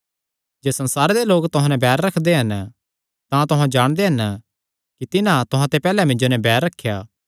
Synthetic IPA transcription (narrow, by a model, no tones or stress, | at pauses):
d͡ʒeːsɐ̃nsaːɾed̪eloːkt̪ʊɦãnɛ̃bɛːɾːɐkʰd̪eɦɐn | t̪ãt̪ʊɦãd͡ʒaːɽ̃d̪eɦɐn | kit̪ɪnãt̪ʊɦãt̪epɛːlɛmɪ̃nd͡ʒonɛ̃bɛːɾːɐkʰːjaː